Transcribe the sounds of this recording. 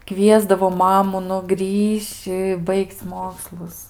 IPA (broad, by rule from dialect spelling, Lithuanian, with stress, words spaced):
ˈkʋʲiɛzdɐʋoː ˈmɑːmʊ nʊ ˈɡrʲiːʃʲt͡ʃʲ ɪ ˈbɐɪkʲt͡sʲ ˈmoːkslˠʊs